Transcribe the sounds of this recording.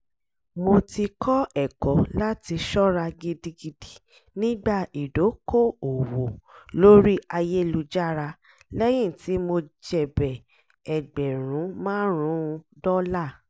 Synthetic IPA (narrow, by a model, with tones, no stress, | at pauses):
mo˧ti˧kʰɔ˦ɛ˨kɔ˨˦la˦ti˧ʃɔ˦ɾa˧ɡi˧di˧ɡi˧di˨ | nĩ˦ɡ͡ba˦˨i˨do˨˦ko˦˨o˨wo˨lo˦ɾi˦ʔa˧je˦˧lu˧d͡ʒa˦ɾa˧ | lɛ˦j̃ĩ˦˨ti˨˦mo˧d͡ʒɛ˦˨bɛ˨ | ɛ˨ɡ͡bɛ˨ɾ̃ũ˨˦mãː˦ɾ̃ũ˨˦˧dɔ˦la˦˨